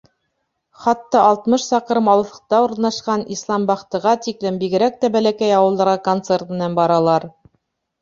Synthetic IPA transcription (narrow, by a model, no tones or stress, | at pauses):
χɑt̪ːɑʔɑlˠt̪mɤʃsɑqɤɾɤmɑlˠɤ̆θɤ̥̆q̚t̪ɑuɾnɑʃqɑnislˠɑmbɑχt̪ɤ̆ʁɑt̪iklɘmbiɡɘ̆ɾæk̚t̪æbælækæjɑwɤlˠd̪ɑɾʁɑkont̪sert̪̚mɘ̆nænbɑɾɑlˠɑɾ